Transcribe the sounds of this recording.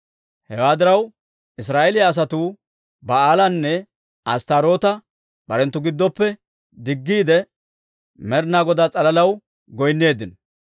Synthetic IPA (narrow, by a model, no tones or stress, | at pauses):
hɛwaːd̪ɪɾɐw | ʔɪs̬ɾaːʔɛlɪjaːs̬ɐt̪uː | bɐaːlɐnːɛ | ʔɐst̪aɾo̞ːt̪ɐ | b̥ɐɾɛnt̪ːʊɡɪd̪ːɔpːɛ | d̪ɪɡːiːd̪ɛ | mɛɾnaːɡɔd̪aːt͡sʼɐlɐlɐw | ɡɔjnːe̞ːd̪ɪn